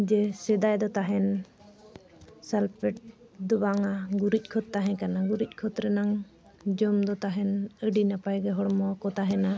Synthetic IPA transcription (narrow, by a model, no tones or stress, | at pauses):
d͡ʒɛsɛd̪ajd̪ɔt̪aɦɛn | salpɛʈ̚d̪ɔbaŋaɡuɾic̚ˀkʰɔt̪̚ːaɦɛ̃kanaɡuɾic̚ˀkʰɔt̪ɾɛnaŋ | d͡ʒɔmd̪ɔt̪aɦɛnəɖinapajɡɛɦɔɽmɔkɔt̪aɦɛna